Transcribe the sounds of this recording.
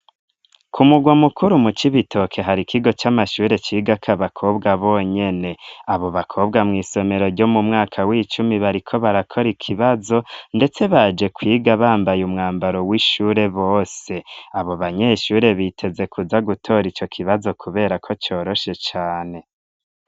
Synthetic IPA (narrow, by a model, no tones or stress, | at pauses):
kʰumuɡwamukuɾumut͡ʃiβitʰo̞kʰe̞ɦaɾikʰiɡo̞t͡ʃamaʃuːɾe̞t͡ʃiːɡakʰaβakʰo̞bɡaβo̞ɲe̞ne̞aβo̞βakʰo̞bɡamŋiːso̞me̞ɾo̞ɾɟo̞mumŋaːkʰawiːt͡ʃumiβaɾikʰo̞βaɾakʰo̞ɾikʰiβazo̞nde̞t͡se̞βad͡ʒe̞kwiːɡaβaːmbajumŋaːmbaɾo̞wiʃuːɾe̞βo̞ːse̞aβo̞βaɲe̞ʃuːɾe̞βitʰe̞ze̞kʰuzaɡutʰo̞ɾit͡ʃo̞kʰiβazo̞kʰuβe̞ːɾakʰo̞t͡ʃo̞ːɾo̞ʃe̞t͡ʃaːne̞